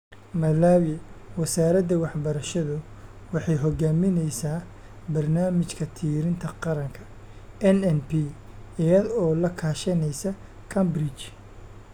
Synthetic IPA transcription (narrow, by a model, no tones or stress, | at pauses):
mɐlaːwɪwɐsaːɾɐd̪ɐwɑħbɐɾɐʃɐðʊ | wɑħɑjɦɔɡaːmɪnɛjsaː | bɐrnaːmɪt͡ʃkʰɐt̪ʰiːɾɪnt̪ʰɐqɑɾɐŋkʰɐ̥ | ɛnɛnpʰi | ɛjɐðɔːlɐkʰaːʃɐnɛjsɐ | kʰɐmbɾɪt͡ʃ